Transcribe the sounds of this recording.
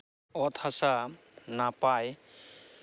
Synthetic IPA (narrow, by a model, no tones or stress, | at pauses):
ɔt̪ʰasa | napaj